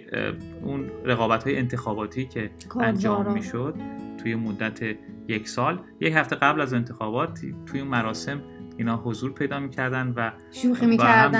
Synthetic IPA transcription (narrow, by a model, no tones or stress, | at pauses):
unɾeɣɒːbæt̪hɒːjent̪ʰe̞xɒːbɒːt̪ʰiːcʰe̞ | kʰænd͡ʒɒːmiːʃod̪̥̚t̪ʰujemod̪ːæt̪ʰe | jecʰsɒːlje̞chæft̪e̞ɣæblæze̞nt̪ʰe̞xɒːbɒːt̪ʰt̪ʰːujeunmæɾɒːse̞miːnɒːɦo̞zuːɾpʰe̞jd̪ɒːmiːcʰæɾd̪ænd̪væ | ʃuχimiæm